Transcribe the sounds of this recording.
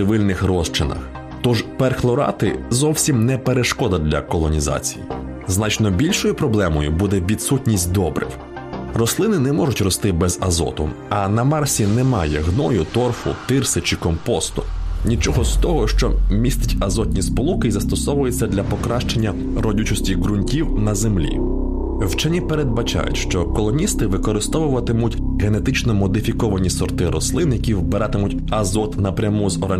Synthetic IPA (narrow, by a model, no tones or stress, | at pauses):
ɪʋɪlʲnɪxrɔʃt͡ʃɪnɐ̰x | t̪ɔʒpɛrxlˠɔɾɑ̰t̪ɪzɔwsʲimnɛpeɾeʃkɔd̪ɐd̪lʲɐkɔlˠɔnʲizɑ̰t͡sʲi̥jḭ | znɑt͡ʃnɔbʲilʲʃɔjʊpɾɔblˠɛmɔjʊbud̪ɛʋʲid̪sutʲnʲisʲt̚ʲd̪ɔbɾɪ̰w | rɔslˠɪnɪnɛmɔʒʊtʲrɔst̪ɪbɛzɐzɔ̰t̪ʊ̰ɐnɐmɑrsʲinɛmɑjɛɦnɔjʊt̪ɔrfʊ̰t̪ɪrsɪt͡ʃɪkɔmpɔst̪ʊnʲit͡ʃɔɦɔst̪ɔɦɔʃt͡ʃɔ̰mʲist̪ɪtʲɐzɔt̪ʲnʲispɔlˠukɪjzɐst̪ɔsɔʋʊjet͡sʲːɐd̪lʲɐpɔkɾɑʃt͡ʃe̞nʲːɐ | ɾɔdʲut͡ʃɔsʲtʲiɦɾʊnʲtʲiwnɐzemlʲḭ | wt͡ʃɛnʲipeɾed̪̚bɐt͡ʃɑ̰jʊ̰tʲʃt͡ʃɔkɔlˠɔnʲist̪ɪʋɪkɔɾɪst̪ɔʋʊʋɐt̪ɪmʊtʲ | ɦe̞ne̞t̪ɪt͡ʃnɔmɔd̪ɪfʲikɔʋɐnʲisɔrt̪ɪɾɔslˠɪnjɐkʲiwbeɾɑt̪ɪmʊtʲɐzɔt̪nɐpɾʲɐmuzɔɾa